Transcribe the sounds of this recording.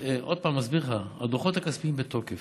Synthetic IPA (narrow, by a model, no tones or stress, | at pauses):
eʔod̪̚paːmːazbiʁχaad̪ʁuχot̪hakaspiimbet̪okef